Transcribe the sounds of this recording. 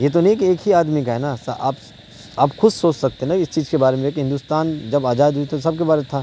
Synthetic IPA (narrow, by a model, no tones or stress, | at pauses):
jet̪̬onɐɦiːkeːkɦiaːd̪mikaɦɛnasɐʔa̰ːp | aːpxʊssoːt͡ʃsɐk̚t̪eɦɛnaɪst͡ʃiːzkebaːɾemẽekiɦɪ̃nd̪ust̪aːnd͡ʒɐbaːzaːd̪ɦuit̪ʰosɐb̚kebaːɾet̪ʰaː